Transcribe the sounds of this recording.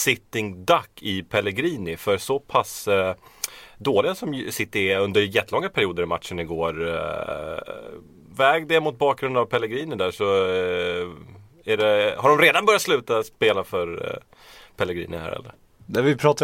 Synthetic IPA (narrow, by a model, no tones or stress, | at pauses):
sɪt̪ːɪŋd̪akːɪpʰɛlːɛɡɾiːnɪfœɾsɔpʰas | d̪oːlɪɡasɔmsɪt̪ːɪɵnd̪əɾjɛt̪ːəlɔŋːapʰæɾɪuːd̪əɾama̰t̪ʂənɪɡoːɾ | vɛːɡd̪ɛmʊt̪̚bɑːk̚ɡɾɵnd̪avpʰɛlɛɡɾiːnɪd̪æʂɔ | æɖɛhaɖɔmɾeːd̪anbœɾjat̪slʉ̟ːt̪aspeːlafœɾ | pʰɛlːɛɡɾḭːnɪhæ̰ːɾɛ̰lːə̰ɾ | nɛvɪpʰɾɑːt̪